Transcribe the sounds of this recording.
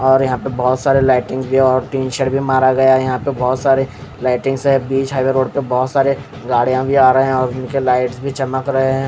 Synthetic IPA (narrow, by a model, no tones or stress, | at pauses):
ɔːɾjɐɦãpebɔːt̪saːɾelaːɪʈɪ̃ŋzbʱiɔːɾʈiːnʃəɽbʱimaːɾaɡɐjajɐɦãpebɔːt̪saːɾe | laːɪʈɪ̃ŋɡsɦɛ̃biːt͡ʃɦaːʋeɾoːɽpebɔːt̪saːɾe | ɡaːɽ̤ijãbʱiaːɾɐɦeɛ̃ɔːɾʊnkelaːɪʈsbʱit͡ʃɐməkɾɐɦeɦɛ̃ː